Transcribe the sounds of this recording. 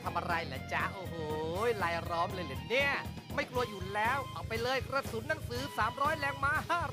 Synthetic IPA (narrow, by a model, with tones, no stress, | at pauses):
t̪ʰa˧mʔa˧ɾa˧jlɛ˩˦˥t͡ɕa˧˩ʔoː˧˩hoː˩jlaː˧jɾɔː˦˥mlɤː˧jlɯ˨˩ni˥˩ɐ | ma˥˩jklu˧ɐjuː˨˩lɛː˦˥wʔa˨˧˩wpa˧jlɤː˧jkɾa˧su˨˦˥nːa˧˦ŋsɯː˩˦saː˩˦mɾɔː˦˥jlɛː˧˩ŋmaː˧haː˥˩